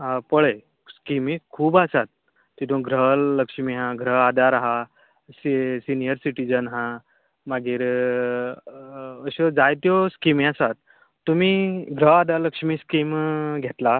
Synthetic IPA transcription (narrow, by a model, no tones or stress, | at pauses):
ɦapəɭe | skimiːkʰuːbasat̪̚ː | it̪ʰũɡʱɾələkʂmiɦãɡʱɾəɦad̪aɾaɦa | sisinijəɾsiʈid͡zənɦã | maɡiːɾ | əɕod͡zajt̪jɔskimiasat̪ː | umiːɡʱɾəɦad̪aləkʂmiːskimɡʱet̪la